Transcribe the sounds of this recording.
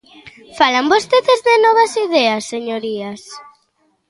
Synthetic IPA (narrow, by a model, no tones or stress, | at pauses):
falambost̪eðezðɪnɔβ̞asiðɛasːeɲoɾias